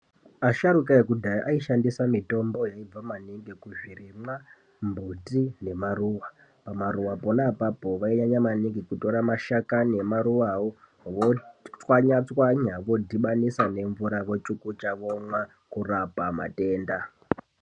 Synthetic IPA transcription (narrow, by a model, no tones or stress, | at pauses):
aʃaɾukaekudʱaʔaiʃandisamito̞mbo̞jaib͡vamaniŋɡekuʐirimwa | mbutine̞maruwa | pamaɾuʋaponapapo̞ʋaiɲaɲamaniŋɡikuto̞ɾamaʃakanemaɾuʋao | ʋot͡swaɲat͡swaɲaʋo̞dʱiɓanisane̞ɱvuɾaʋo̞t͡ʃukut͡ʃaʋomwa | kurapama̰te̞ːnda